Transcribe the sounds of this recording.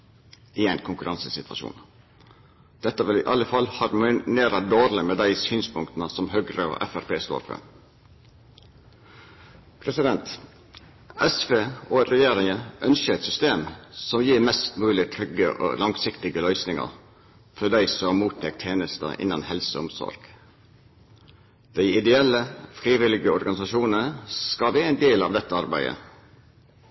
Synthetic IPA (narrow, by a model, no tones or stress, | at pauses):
ɪæɪnkʰʊŋkʉɾʔɑnsəsɪt̪ʋɑ̰ʃṵːn | d̪̥ɛt̪ːəʋɪlɪʔɑləfɑlhɑɾmneːɾɑd̪oːɾlɪmeːd̪æɪsyːnspʰʊŋkt̪n̩əsɔmhøːɡɾəo̰ʔæ̰fæɾpʰeːst̪o̰ːɾfø̰ɾ | pʰɾɛsɪd̪ɛnt̪ | ɛsfeːoɾɛjeːɾɪŋəʔœnʃəɛt̪sʏst̪eːmsɔmjiːɾmɛst̪mʉːlɪt̪ʰɾʏɡəʔo̰ːlɑŋsɪkt̪ɪɡəlœʏsnɪŋɑ̰ɾ | fɔd̪æɪsɔɑmuːt̪ʰɛk̚t̪ʰːeːnəst̪ə̰ʔɪ̰nːɑnhɛlsəʊmsɔ̰ɾɡ̥ | d̪̥æɪɪd̪ɛɛləfɾiːʋɪlɪɡəɔɾɡɑnɪsɑʃuːnənəskɑʋeːæɪnd̪eːlɑ̰ːʋd̪ɛt̪ːəɑɾbæ̰ɪd̪ə̰